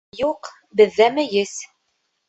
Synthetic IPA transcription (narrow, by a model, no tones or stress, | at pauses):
juq | bɘ̆ðːæmɘ̆jɘs